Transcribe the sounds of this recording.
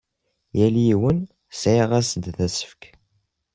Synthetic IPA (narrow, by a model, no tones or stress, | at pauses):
jæljiwən | sʕiʁæsəd̪θæsə̥fk